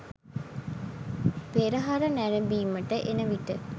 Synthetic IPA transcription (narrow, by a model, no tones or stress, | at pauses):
peɾəɦaɾənæɾembiːməʈəʔenəʋiʈə